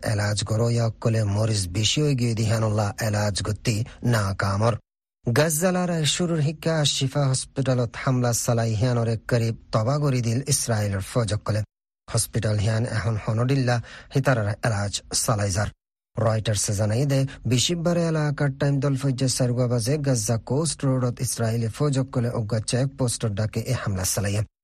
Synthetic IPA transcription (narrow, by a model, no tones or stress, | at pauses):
ʔḛlad͡ʒɡɔɾɔjaɔkːɔlemɔɾizbiʃiojɡijod̪iɦianɔlːaʔelaːd͡ʒɡɔt̪ːinaːkamɔɾ | ɡɐzalaɾaʃuɾuɾɦikːaʃifaɦɔspiʈalɔt̪hamlasalajɦijanɔɾekəɾib̚t̪ɔbaɡɔɾid̪ilisɾailɔɾfɔd͡ʒɔkːɔle | hɔspiʈalɦianɛ̰ɦɔnhɔnɔɖilːahit̪aɾaɾɛlaːd͡ʒsalajzaɾ | ɾajʈɐɾsezanajd̪ɛbiʃibaɾeɐlaːkaʈːajmd̪ɔlfɔjd͡ʒesɐɾɡabazeɡɐzːakoːsʈɾoɖɔt̪isɾailifɔd͡ʒɔkːɔleʔɔɡːat͡ʃːaek̚posʈɔɖakeʔehamlasalaje